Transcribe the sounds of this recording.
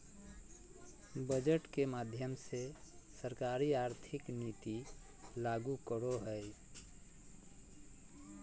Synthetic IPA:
bəd͡ʒəʈkemad̪ʱjəmsesəɾkaɾiaɾt̪ʰɪknit̪i | laɡukəɾoɦəj

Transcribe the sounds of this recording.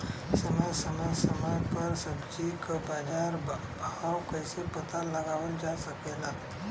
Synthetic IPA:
səmad͡ʒsəmad͡ʒsəmad͡ʒpəɾsəbd͡ʒikbaːd͡ʒaɾ | bʱawkəjsepət̪aləɡaʋəld͡ʒasəkela

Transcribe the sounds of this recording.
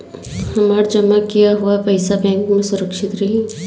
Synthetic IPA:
hɐmaːɾd͡ʒɐmakijaɦuapɐɪsabɛ̃ːŋkmẽsʊɾəkʃɪt̪ɾɐɦĩː

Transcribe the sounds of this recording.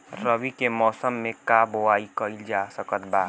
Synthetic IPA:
ɾəbikemɔːsəmːẽkabowaːikəɪld͡ʒaːsəkət̪baː

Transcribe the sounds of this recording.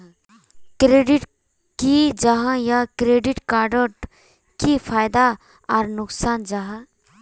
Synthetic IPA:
kɾeːɖiʈ | kid͡ʒaɦãjakɾeːɖɪʈkaːɾɖəʈ | kipʰaːjd̪a | ɔːɾnʊksaːnd͡ʒaɦã

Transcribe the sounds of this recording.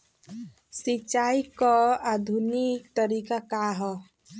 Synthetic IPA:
sit͡ʃaikɔad̪ʱunik̚t̪əɾikakaɦɔ

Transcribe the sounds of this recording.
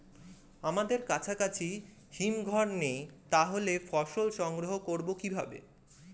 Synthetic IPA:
amad̪eɾkat͡ɕʰakat͡ɕʰi | himɡʱɔɾnejt̪aɦolefɔʃolʃɔŋɡɾoɦokoɾbokibʱabḛ

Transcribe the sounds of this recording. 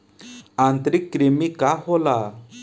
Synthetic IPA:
ãnt̪ɾikːɾemikaɦola

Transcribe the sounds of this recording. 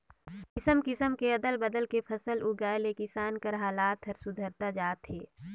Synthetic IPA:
kɪsəmkɪsəmkeɐd̪əlbɐd̪əlkepʰɐsəlʔuɡaːlekɪsaːnkɐɾɦaːlaːt̪ɦɐɾsʊd̪ʱəɾt̪ad͡ʒaːt̪ɦeː

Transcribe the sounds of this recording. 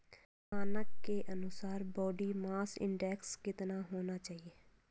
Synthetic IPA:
aːnəkːeːʔənʊsaːɾbɔːɖiːmaːsɪ̰̃ɳɖɛːkskɪt̪naːɦoːnaːt͡ʃaːɦieː

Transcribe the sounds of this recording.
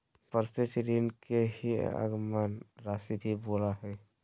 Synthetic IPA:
pəɾset͡ʃɾiːnkeɦiə̰ɡmanɾaːsibʱiboːlaɦɛː

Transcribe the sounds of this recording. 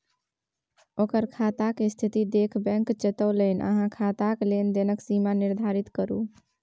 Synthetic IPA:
okəɾkʰat̪akest̪ʰit̪id̪ekʰbɛ̃ŋkt͡ʃet̪ələnʔə̰ɦãkʰat̪aklend̪enəksimaniɾd̪ʱaɾit̪kəɾṵ

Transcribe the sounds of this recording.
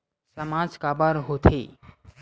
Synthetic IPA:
səmaːd͡ʒkabəɾɦoːt̪ʰḛː

